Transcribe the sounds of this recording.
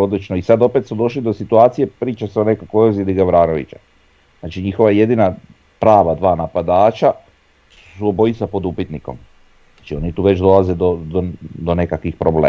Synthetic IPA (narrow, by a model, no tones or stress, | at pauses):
o̞d̪lit͡ʃnoisad̪o̞pe̞t̪smud̪o̞ʃlid̪o̞sit̪uaːt̪sije̞pɾiːt͡ʃaseo̞ne̞kakoozjed̪iɡaʋɾaːno̞ʋḭt͡ʃa | znaːt͡ʃiɲixo̞ʋaje̞d̪ina | pɾaːʋad̪ʋaːnapad̪aːt͡ʃa | suobo̞it̪sapo̞d̪upit̪niko̞̰m | at͡ʃio̞nit̪uːʋet͡ʃd̪o̞lˠaze̞d̪od̪od̪one̞kakʋixpɾoblḛː